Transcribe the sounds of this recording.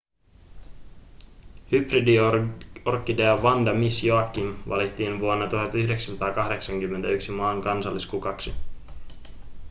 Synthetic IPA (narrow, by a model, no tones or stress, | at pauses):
hybridi | orkːidejɑʋɑndɑmisjoɑkːinʋɑ̰lit̪ːiːnʋuonːɑt̪uɦɑt̪yhde̞ksæsɑt̪ɑːkɑɦde̞ksɑŋkymːent̪æyksimɑːŋkɑnsɑlːiskukɑksi